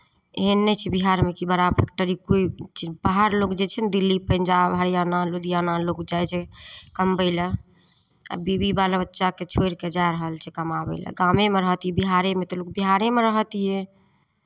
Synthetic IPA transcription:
eɦənːɛt͡ʃʰɛbiɦaɾmekibəɾapʰek̚ʈəɾikoit͡ʃibaɦaɾlokd͡ʒet͡ʃʰɛnd̪ilːipənd͡ʒabɦəɾjanalod̪janalokd͡ʒajt͡ʃʰɛkəmbəɪlə̰ | bibibalabətːʃaket͡ʃʰojɾked͡ʒaeɾəɦəlt͡ʃʰɛkəmabə̰ɪlə̰ɡamemeɾəɦt̪ijɛbiɦaɾemet̪ɔlokbiɦaɾemeɾəɦt̪ije

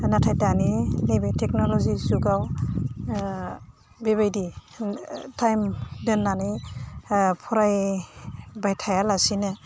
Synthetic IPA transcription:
natʰajtaninebejtʰek̚nɔlɔzizuɡaw | beβajdi | tʰajmdɯnːani | pʰɔɾaj | bajtʰajalasinɯ

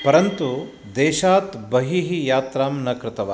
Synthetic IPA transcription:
pɐɾɐnt̪u | d̪eːʃaːt̪bɐɦiɦijaːt̪ɾaːmnɐkɾɪt̪ɐʋa

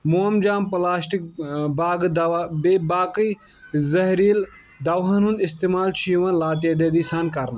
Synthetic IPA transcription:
moɐmd͡ʒaːmpɐlaːsʈik̚baːɡd̪bebaːkəi | zɐɦɾiːl | d̪ɐʋɐnũnd̪ɪst̪eːmaːlt͡ʃʰijuʋɐnlaːt̪jɐd̪ed̪isɐnkɐɾn

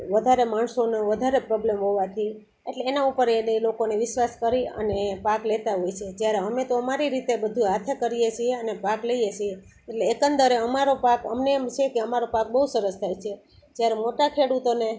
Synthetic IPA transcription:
ʋəd̪ʱaɾemaɳsoneʋəd̪ʱaɾepɾɔblemɦoʋat̪ʰi | eʈleːnaupəɾenelokoneʋɪʃʋaskəɾiə̰nepaklet̪aɦojt͡ʃʰed͡ʒjaɾeəmet̪oəmaɾiɾit̪ebəd̪ʱuɦat̪ʰekəɾijet͡ʃʰieənepakləijet͡ʃʰie | eʈleːkənd̪əɾeəmaɾopakə̰mneːmt͡ʃʰekeəmaɾopak̚bəɦusəɾəst̪ʰajt͡ʃʰe | d͡ʒjaɾemoʈakʰeɽut̪one

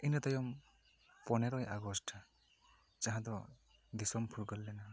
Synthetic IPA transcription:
inʌt̪ʌjɔm | pɔneɾɔjʔaɡɔsʈʰ | t͡ʃaɦãt̪ɔ | d̪isɔmpʰuɾɡʌlːenʌ

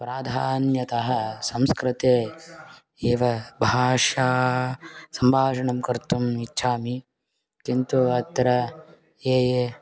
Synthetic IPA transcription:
pɾaːd̪ʱaːnjɐt̪ɐɦɐsɐmskɾɪt̪eː | eːʋɐbʱaːʂaː | sɐmbʱaːʃɐɳɐmkɐɾt̪umitːʃʰaːmi | kint̪uɐt̪ɾɐ | eːje

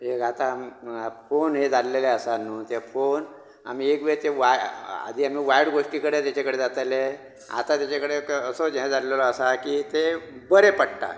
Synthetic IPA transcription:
ɦeɡʱat̪amfonɦed͡zalleleasanːũːt̪efon | a̰m̤iːekʋet̪eʋaa̰d̪ʱiːam̤iːʋajɽɡoʂʈiːkəɽet̪jat͡ɕakəɽed͡zat̪ale | a̰t̪at̪jat͡ɕakəɽeəsoɦẽd͡zallelɔəsakiːt̪ebəɾepəɽʈa̰

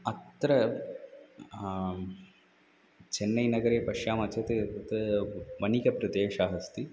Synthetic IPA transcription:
ɐt̪ɾɐ | t͡ʃenːɐjnɐɡɐɾeːpɐʃjaːmɐt͡ʃɐt̪et̪ʋɐnikɐpɾɐd̪eːʃaːɦɐst̪i

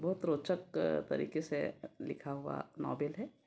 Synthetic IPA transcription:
bɐɦʊt̪ɾoːt͡ʃəkt̪ɐ̰ɾḭːkeselɪ̰kʰaɦʊa̰nɔːbelɦɛː

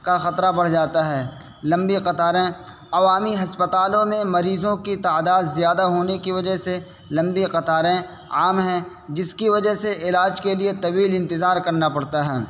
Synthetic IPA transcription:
kaxɐt̪ɾabɐɽ̤d͡ʒaːt̪aɦɛː | lɐ̃mbiqɐt̪aːɾẽ | ɐʋaːmiɦɐspət̪aːlõmẽmɐɾiːzõkit̪aːd̪aːd̪zjaːd̪aɦoːnekiʋɐd͡ʒəɦse | lɐ̃mbiqɐt̪aːɾẽ | aːmɦɛ̃ | d͡ʒɪskiʋɐd͡ʒəɦseɪlaːd͡ʒkeliet̪ɐwiːlɪ̃nt̪ɪzaːɾkɐɾnapɐɽt̪aɦɛː

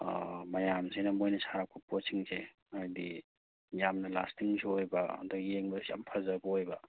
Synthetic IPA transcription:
mɐjamsʰejnɐmojnɐsaɾakʰuposiŋse | ajdi | jamnɐla̰stiŋseojbɐ̰dɔjeŋbɐja̰mpʰazɐbɐojbɐ

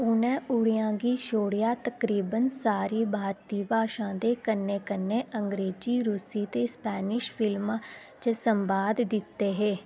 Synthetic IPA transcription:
ʊnɛ̃ːʊɽijãːɡiːʃoːɽɪjaːt̪əkɾiːbənsaːɾiːbʱaːɾt̪iːbʱaːʃãːd̪eːkənːeːkənːeːəŋɡɾeːd͡ʒiːɾuːsiːt̪eːspɛːnɪʃpʰɪlmː | t͡ʃsəmbaːd̪d̪ɪt̪ːeːɦeː

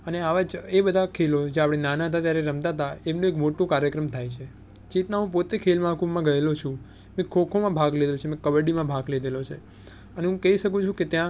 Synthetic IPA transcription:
əneaʋad͡ʒebəd̪ʱakʰelod͡ʒeapɽ̃enanaət̪at̪jaɾeɾəmt̪at̪aemnõekmoʈũkaɾjəkɾəmt̪ʰajt͡ʃʰe | t͡ʃit̪naɦũpot̪ekʰelmãkummãɡəelot͡ʃʰũ | mẽkʰokʰomãbʱaɡled̪elot͡ʃʰemẽkəʋəɖimãbʱaɡled̪elot͡ʃʰe | əneɦũkəɦiʃək̬ũt͡ʃʰũket̪jã

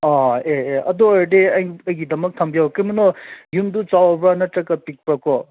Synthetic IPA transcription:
aeeʔɐ̰d̪ɔɾdeɐjɐjɡid̪ɐmɐk̚t̪ʰɐmbijawkimɐnɔjumdut͡ʃawɐbɾanɐtɾɐkːɐpik̚pɾakɔ

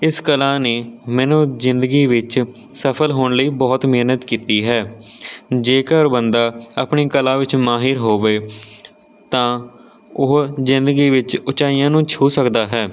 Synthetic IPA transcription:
ɪskəlaːneːmɛːnũːzɪnd̪əɡiːʋɪt͡ʃ | səpʰəlɦoːɳləiːbɔːt̪mɪɦnət̪kiːt̪iːɦɛː | d͡ʒeːkəɾbənd̪aːəpɳiːkəlaːʋɪt͡ʃmaːɦɪɾɦoːʋeː | t̪ãː | ʊːzɪnd̪əɡiːʋɪt͡ʃʊt͡ʃaːijãːnũːt͡ʃʰuːsəkd̪aːɦɛː

